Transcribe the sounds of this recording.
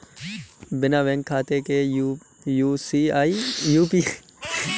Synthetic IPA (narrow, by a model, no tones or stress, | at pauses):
bɪnaʋɛ̃ŋkkʰaːt̪eke | juːsiaːijuːpiː